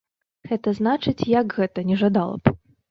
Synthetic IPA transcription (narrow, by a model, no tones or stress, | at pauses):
ɣɛt̪ɐznat͡ʂɨt͡sʲjɐkɣɛt̪ɐnʲɛʐad̪alˠɐ̰p